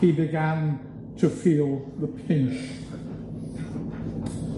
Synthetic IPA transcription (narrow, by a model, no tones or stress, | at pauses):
ibɪɡæ̃n | tʰəfiːlˠðəpʰɪ̃nt͡ʃ